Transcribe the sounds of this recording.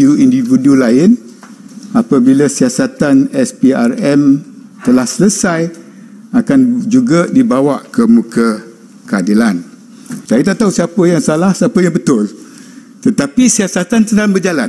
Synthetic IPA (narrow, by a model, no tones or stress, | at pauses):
uindividulaɪn | apabilasiasat̪anɛspiarɛmt̪əlahsələsaj | akand͡ʒuɡadibawaʔkəmũkə | kəadilan | sajat̪aʔt̪ausiapəjaŋsalahsiapəjaŋbət̪ʊlt̪ət̪apisiasat̪antsədaŋbərd͡ʒalan